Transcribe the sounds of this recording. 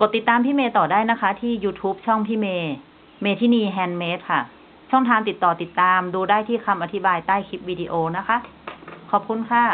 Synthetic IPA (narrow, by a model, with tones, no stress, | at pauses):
pko˨˩t̪ːi˨˩t̪ːaː˧mp̪ʰiː˥˩meː˧t̪ɔː˨˩daː˥˩jna˦˥kʰa˦˥t̪ʰiː˥˩juː˧t̪ʰuː˦˥p̚t͡ɕʰɔ˥˩ŋp̪ʰiː˥˩meː˧ | meː˧t̪ʰiː˥˩niː˧ɦɛː˧nmeː˦˥t̪̚kʰa˥˩ | t͡ɕʰɔ˥˩ŋt̪ʰaː˧mt̪i˨˩t̪ːɔː˨˩t̪i˨˩t̪ːaː˧mduː˧daː˥˩jt̪ʰiː˥˩kʰa˧mʔa˧t̪ʰi˦˥baː˧jt̪aː˥˩jkʰi˦˥p̚wiː˧di˧ʔoː˧na˦˥kʰa˦˥ʔ | kʰɔː˨˩p̚kʰu˧nkʰaː˥˩